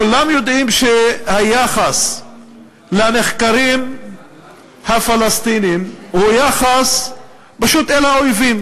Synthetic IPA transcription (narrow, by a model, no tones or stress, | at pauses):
kulamjo̞d̪ʔimʃehajaχas | leane̞χkaɾim | hafalast̪inimhujaχas | paʃut̪elaojvim